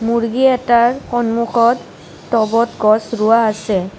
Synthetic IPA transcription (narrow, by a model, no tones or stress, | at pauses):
muɹɡiɛtaɹkɔnmuxʰɔtː | ɔbɔtɡɔsɹʊwaːsɛ